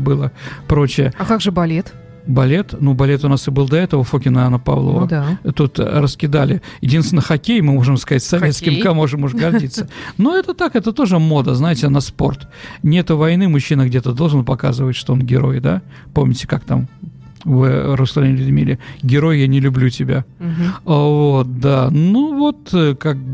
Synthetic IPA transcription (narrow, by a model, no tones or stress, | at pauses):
bɨlˠəpɾo̞t͡ɕɪjəkaɡʐɨbɐlʲet̪ | bɐlʲe̞t̪nubɐlʲe̞t̪ʊnasɨbɨlˠd̪ɐɛt̪əvəfokʲɪnəanːəpɐ̰vlˠo̰və̰d̪t̪ut̪ɾəskʲɪd̪alʲɪjɪdʲinst̪ʲɪnːəxɐkʲejmɨmo̞ʐɨmskɐzatʲsɐvʲet̪skkʲɪmkamo̞ʐɨmʊʂɡɐrdʲit̪sːənoɛt̪ət̪akɛt̪ət̪o̞ʐɨmo̞d̪əznajɪtʲɪnɐspo̞rt̪nʲet̪ʊvɐjnɨmʊɕːinəɡdʲet̪əd̪o̞lˠʐɨnpɐkazɨvətʲʂt̪oonɡʲɪɾo̞̰jd̪a̰ | po̞mnʲɪtʲɪ̥kak̚t̪a̰m | vɨɾəsˠɐenʲɪlʲʊd̪ʲmʲilʲɪɡʲɪɾo̞jjanʲɪlʲʉblʲutʲɪbʲa | vo̞t̪̚d̪anuvo̞t̪kak̚